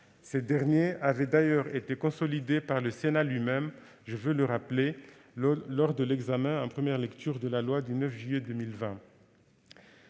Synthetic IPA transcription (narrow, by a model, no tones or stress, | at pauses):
sed̪ɛʁnjeavɛd̪ajœʁet̪ekɔ̃sɔlid̪epaʁləsenalɥimɛm | ʒəvøləʁaple | lɔʁd̪əlɛɡzamɛ̃ɑ̃pχəmjɛʁlɛkt̪yʁd̪əlalwad̪ynœfʒyjɛd̪ømilvɛ̃